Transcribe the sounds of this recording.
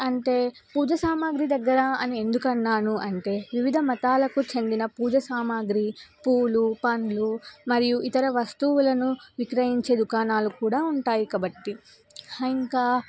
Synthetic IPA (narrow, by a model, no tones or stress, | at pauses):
ɐɳʈeː | puːd͡ʒɐsaːmaːɡɾid̪ɐɡːɐɾɐɐnie̞nd̪ukɐnːaːnuʔɐɳʈe̞ːʋiʋid̪ʱɐmɐt̪aːlɐkut͡ʃe̞nd̪inɐpuːd͡ʒɐsaːmaːɡɾipuːlupɐnlumɐɾijuʔit̪ɐɾɐʋɐst̪uwulɐnuʋikɾɐjiɲt͡ʃe̞ːd̪ukaːnaːlukuːɽaːuɳʈaːjikaːbɐʈːi | ɐiŋkaː